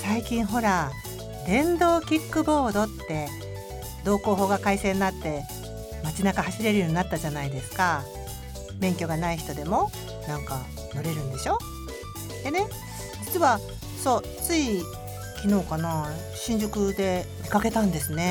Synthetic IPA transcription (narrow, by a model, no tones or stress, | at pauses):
saikʲĩɰ̃ɦo̞ɾa | d̪ẽ̞nd̪o̞ːkʲikːɯ̟bo̞ːd̪o̞t̪ːe̞ | d̪o̞ːko̞ːɦo̞ːɡakaisẽ̞nːat̪ːe̞ | mat͡ɕinakahaɕiɾe̞ɾɯjo̞ːɲ̟inat̪ːad͡ʑanaid̪e̞sɨ̥ka | bẽ̞ŋkʲo̞ɡanaiçi̥t̪o̞d̪e̞mo̞ | nãŋka | noɾe̞ɾɯ̟̃nd̪e̞ɕo̞ | d̪̥ene̞ | d͡ʑit͡sɨβa | so̞ː | t͡sɨi | kʲino̞ːkana | ɕĩɲ̟d͡ʑokɯ̟d̪e̞mʲikake̞t̪ãnd̪e̞sɨne̞